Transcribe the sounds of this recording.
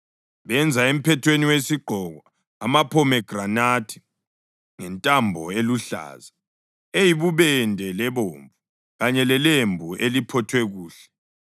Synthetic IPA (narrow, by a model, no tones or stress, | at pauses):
βɛnd͡zʱaem̩pʰɛtʰweniwesiɡ͡ǃʱɔɣɔ | a̰mapʰɔmɛɡ̥ranatʰi̥ | ŋɛntʼambʱɔeluɬa̰ːza | ejiβuβɛndʱɛlɛβoːɱvu | ɣaɲɛlɛlembʱuʔelipʰɔtʰwɛɣuːɬɛ̥